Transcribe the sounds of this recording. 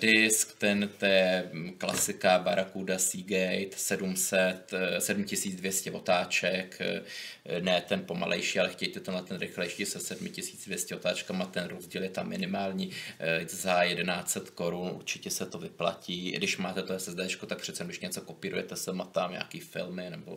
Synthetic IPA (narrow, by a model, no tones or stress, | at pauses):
dɪskt̪ɛnt̪ɛjɛkla̰sɪkabaɾakudasiːɡɛjt̪sɛdumsɛt̪sɛdumcɪsiːd͡zdvjɛscɛvo̞t̪aːt͡ʃɛk | nɛːt̪ɛnpo̞ma̰lʔɛ̰jʃiːalɛxcɛjt̪ɛt̪ɛnlɛt̪ɛnɾɪxlɛjʃiːsɛsɛdmɪcɪsi̥ːt͡sdvjɛscɛot̪aːt͡ʃkamat̪ɛnɾozɟiːljɛt̪amːɪnɪmaːlɲiːzajɛdɛnaːt͡sɛt̪ko̞ɾunʔṵɾt͡ʃɪcɛsɛt̪ovɪpla̰ciːdɪʃmaːt̪ɛt̪oɛsɛzd̪ɛːt͡ʃkot̪ak̚pr̥ɛt̪t͡sɛmd̪ɪʃɲɛt͡so̞kopiːɾṵjɛt̪ɛsɛmat̪aːmɲa̰ːkiːfɪ̰lmɪnɛbo̰